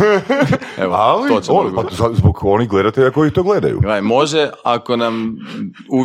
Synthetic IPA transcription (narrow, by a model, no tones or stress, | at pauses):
ealioonpazazboɡo̞niɣɡlˠe̞d̪at̪eʎako̞jit̪oːɡle̞d̪a̰jṵɡamo̞ʒeakonam | u